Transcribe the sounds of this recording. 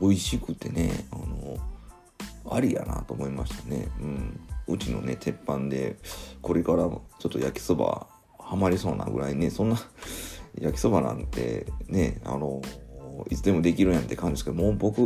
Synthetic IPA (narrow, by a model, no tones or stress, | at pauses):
o̞iɕikɯ̟t̪ːe̞ne̞̰ano | aɾʲija̰na̰t̪o̞mo̞imaɕi̥t̪ane̞̰ɯ̟̃ɴɴɯ̟t͡ɕino̞̰ne̞̰t̪ʰe̞pːãnd̪e̞̰ko̞ɾe̞kaɾat͡ɕo̞t̪ːo̞jakʲi̥sɨba̰ | hamaɾʲiso̞ːna̰ɡɯ̟̰ɾaine̞sõ̞nːa | jakʲi̥sɨbanã̰nt̪e̞̰ne̞̰a̰no̞ | it͡sɨd̪e̞mo̞d̪e̞kʲiɾɯ̃jãnt̪e̞kʰãnd̪esɨkeomoːbo̞kɯ̟